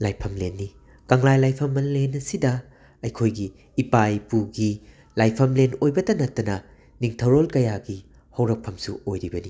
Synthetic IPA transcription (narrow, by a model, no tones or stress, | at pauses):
lajpʰɐmlenːi | kɐŋlajlajpʰɐmːɐlenɐsidɐ | ɐjkʰojɡiː | pajpuɡi | lajpʰɐmlenojbɐtɐnɐtːɐnɐ | niŋtʰɐwɾolkɐjaɡi | hɐwɾɐk̚pʰɐmsuojɾibɐni